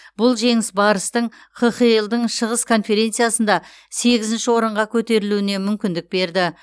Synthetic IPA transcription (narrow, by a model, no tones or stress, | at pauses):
b̥ʊlˠʒe̞ŋɪsbɑɾəst̪əɴ | qʰəχijəlˠd̪əɴʃəʁəskʰo̞nfe̞ɾe̞nt̪sɨjasənd̪ɑ | se̞ɡʲɪzɪnʃɪwo̞ɾəɴʁɑkʲʰɵt̪e̞ɾɪluɪne̞mʏmkʲɪnd̪ɪk̚be̞ɾd̪ɪ